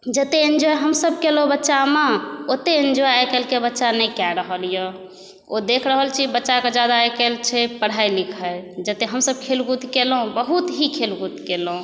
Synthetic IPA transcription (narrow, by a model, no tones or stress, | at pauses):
d͡ʒət̪eend͡ʒoeɦəmsəb̚kelobətːʃameot̪eend͡ʒojaekelkebətːʃanəjkɛɾəɦəlijə | od̪ekʰɾəɦəlt͡ʃʰibətːʃaked͡ʒad̪aekelt͡ʃʰɛpəɽ̤ajlikʰəjd͡ʒət̪eɦəmsəb̚kʰelɡut̪kelɦũbəɦut̪ɦikʰelɡut̪kelũ